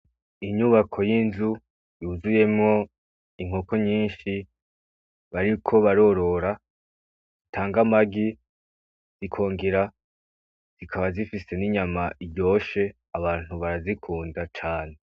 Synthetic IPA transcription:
iɲuβakʰo̞jinzu | juːzuje̞mŋo̞ | iŋ̥o̞koɲiːnʃi | βaɾikʰo̞βaɾo̞ɾo̞ɾa | itʰaːŋɡamaɡi | z̥ikʰo̞ːŋɡiɾa | z̥ikʰaβazifise̞niɲamaʔiɟo̞ːʃe̞ | aβaːn̥huβaɾazikʰuːndat͡ʃaːne̞

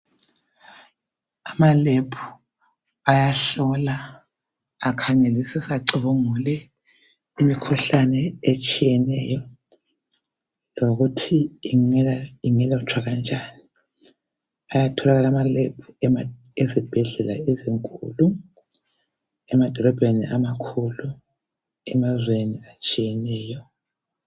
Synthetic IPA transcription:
amalepʰu̥ | ajaɬɔlaː | kʰaŋelisisaǀiβuŋulɛ | imikʰuɬanɛet͡ʃʼijɛnɛjɔ | loɣutʰiːŋiŋɛlaut͡ʃʰwaɣand͡ʒʱani | ajatʰɔlaɣalamalɛpʰu | ezib̥ʱɛɮɛla̰eziŋkʼṵlu | ɛmad̥ʱɔlɔb̥ʱenḭʔamakʰulu | ɛmazweniat͡ʃʼijɛnɛːjɔ

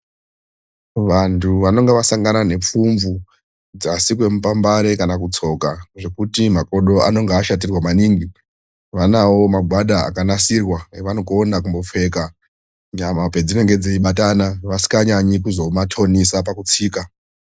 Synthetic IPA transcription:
ʋantʰuʋano̞ŋɡeʋasaŋɡanane̞p͡fuɱvu | d͡zasik̬we̞mupambaɾe̞kanakut͡so̞kaʐe̞kutimako̞ɗo̞ʔa̰no̞ŋɡaːʃat̬irwamaniːŋɡi | ʋanawo̞maɡʱwaɗaa̰kanasirwaeʋanokoːnak̬umbo̞p͡fe̞ka | ɲamape̞d͡zine̞ŋɡe̞d͡zeiɓatanaʋasi̥kaɲaɲikuzo̞matʰo̞nisap̬akut͡siːka

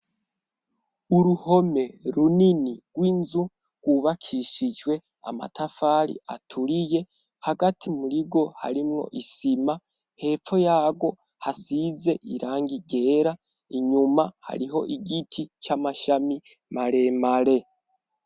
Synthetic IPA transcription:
uɾuho̞me̞ɾuniniɡ̥wiːnzu | ɡwuβakʰiʃid͡ʒwe̞ | a̰ma̰tʰafaːɾḭa̰tʰuɾije̞ | haɡatʰimuɾiɡo̞ha̰ɾimŋo̞̰ʔisima | he̞ːfo̞jaːɡwo̞ | hasize̞ʔiɾaːŋɡiɡe̞ːɾa | iɲumaha̰ɾiɦo̞ʔiɡitʰit͡ʃamaʃami | maɾe̞maɾe̞

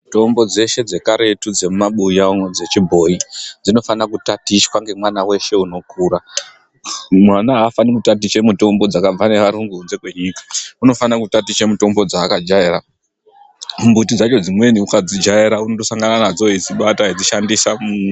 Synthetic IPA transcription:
to̞mbo̞d͡ze̞ʃe̞d͡ze̞kaɾe̞tud͡ze̞mumaɓujaod͡ze̞t͡ʃibʱo̞id͡zino̞fanakutatiʃwaŋɡe̞mwanawe̞ʃe̞uno̞kʰuɾa | mwanaɦːfanikutat̬it͡ʃe̞muto̞mbo̞d͡zakab͡vane̞ʋaɾuŋɡuunze̞kwe̞ɲikḁuno̞fanakutatit͡ʃe̞muto̞mbo̞d͡zaːkad͡ʒaeɾa | mumbutid͡zat͡ʃo̞d͡zimwe̞niukad͡zid͡ʒaeɾaunotosaŋɡananad͡zo̞id͡ziɓataid͡ziʃandisamu

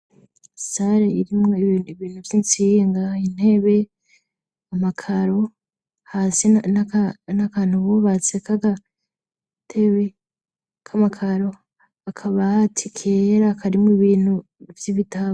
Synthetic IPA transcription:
saɾeiɾimŋoiβiːnhuvjint͡siːŋɡain̥he̞βe̞ | amakʰaɾo̞ | haːsinnakaːn̥huβoβat͡sekaɡa | tʰeβe | kʰamakʰaɾo̞ | akʰaβaatʰikʰeɾakʰaɾimŋoiβiːn̥hu | vjiβitaβ

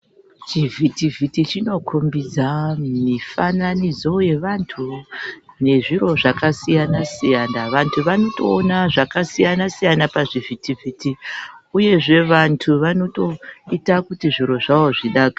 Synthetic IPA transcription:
t͡ʃivʱitivʱitit͡ʃino̞kʰombid͡zamifananid͡zo̞je̞ʋantʰu | ne̞ʐiɾo̞ʐakasijanasijaːnaʋantʰuʋano̞to̞ːnaʐakasijanasijanapaʐivʱitivʱitiuje̞ʐe̞ʋantʰuʋano̞to̞itakutiʐiɾo̞ʐao̞ʐiɗaːka

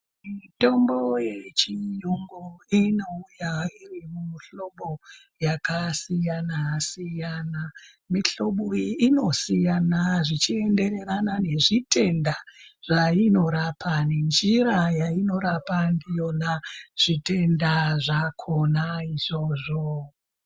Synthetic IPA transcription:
mito̞mbo̞je̞t͡ʃijoŋɡoino̞ujairimuɬo̞ɓo̞ | jakasijanasijana | miɬo̞ɓuiːno̞sijanaʐit͡ʃie̞nde̞ɾe̞ɾanane̞ʐitʰe̞ndaʐ̥aino̞ɾapʰanend͡ʒiɾajaino̞ɾapandijo̞naʐ̥ite̞ndaʐakʰonaiʐo̞ʐo

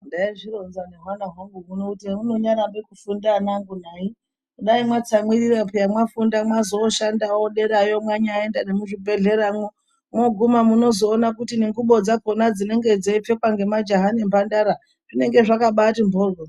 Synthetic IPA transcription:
ndaiʐiro̞nzaneɦwanaɦwoŋɡumunouteuno̞ɲaɾambekufundanaŋɡunai | uɗaimwat͡samwiɾirapejamwafundamwazo̞ʃandawoɗe̞ɾajo̞mwaɲaːe̞ndanemuʐibʱe̞ɮe̞ɾamwo | mwoɡʱumamuno̞zo̞ːnakutineŋɡuɓo̞d͡zaponad͡zine̞ŋɡe̞d͡zeip͡fe̞kwaŋɡe̞mad͡ʒaɦanembandaɾa | ʐine̞ŋɡe̞ʐakaɓatimbʱoːlo

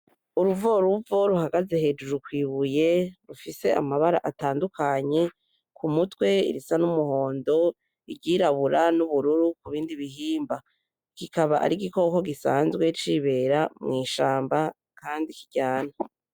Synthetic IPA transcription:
uɾuvoɾuvo̞ɾuhaɡaze̞he̞d͡ʒuɾukwiːβuje̞ɾufise̞ʔa̰maβaɾa̰ʔataːndukʰaɲe̞ | kʰumutwe̞ḭɾisanumuho̞ːndo̞ | iɾɟiɾaβuɾanuβuɾuɾukuβiːndiβiɦiːmba | kikaβaʔa̰ɾiɡiko̞ko̞ɡisaːnzɡwe̞t͡ʃiβe̞ɾamŋiːʃaːmba | kaːndikiɟ̥aːna

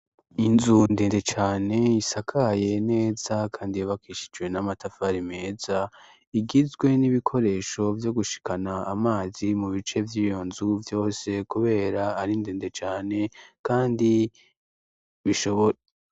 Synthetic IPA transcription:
inzundeːndet͡ʃaːne̞isakʰaje̞ne̞ːz̥akʰaːndijaβakiːʃi̥d͡ʒɡwe̞namatafaɾime̞ːza | iɡizɡwe̞niβikʰo̞ɾe̞ːʃo̞vjo̞ɡuʃi̥kanaːmaːzimuβit͡ʃe̞vjiːjo̞nzuvjo̞ːse̞kuβe̞ːɾaːɾindeːnde̞t͡ʃaːne̞kaːndi | βiʃo̞βoɾ

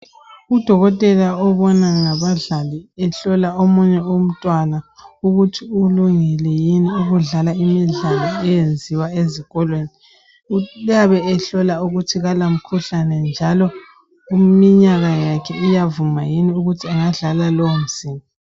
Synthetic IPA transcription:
ud̥ʱɔɣɔtʼɛlaɔβɔnaŋaβaɮaliɛɬɔlaomuɲɛum̩tʼwanauɣutʰiuluŋɛlɛjiniuɣuɮalaimiɮalaɛjend͡zʱiwaeziɣɔlweni | jaβɛɛɬɔlauɣutʰiɣalam̩kʰuɬanɛnd͡ʒʱalɔ | imiɲaɣajakʰɛijavumajiniuɣutʰiaŋaɮalalom̩siːmɔ

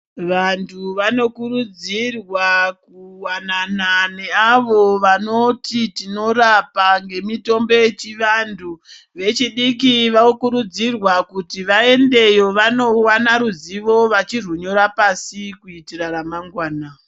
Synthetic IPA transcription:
ʋantʰuʋano̞kuɾud͡zirwakuwanananeaʋo̞ʋano̞titino̞ɾapaŋɡe̞mito̞mbo̞jet͡ʃiʋantʰu | ʋe̞t͡ʃiɗik̬iʋaokuɾud͡zirwakutiʋae̞nde̞jo̞ʋano̞wanaɾuziʋo̞ʋat͡ʃiruɲo̞ɾapasikuitiraɾamaŋɡwaːna

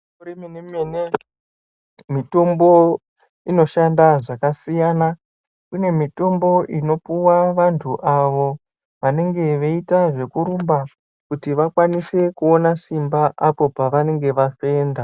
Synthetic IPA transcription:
uɾiminimene | mito̞mbo̞ | ino̞ʃandaʐakasijana | kune̞mito̞mbo̞ʔino̞puwaʋantʰuʔaʋo̞ | ʋane̞ŋɡe̞ʋeitaʐe̞kuɾumba | kutiʋakwanise̞kuo̞nasimbaʔapo̞paʋane̞ŋɡe̞ʋafe̞ːnda

